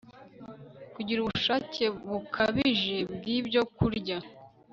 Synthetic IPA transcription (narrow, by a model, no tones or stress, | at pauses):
kuɟiɾuβuʃace̞βukʰaβiʒe̞bɡiːbɟo̞kuɾɟa